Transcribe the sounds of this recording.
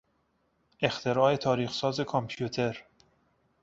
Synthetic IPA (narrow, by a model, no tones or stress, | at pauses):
ʔe̞xt̪ʰe̞ɾɒːe̞t̪ʰɒːɾiːxsɒːze̞kʰompʰjut̪ʰe̞ɾ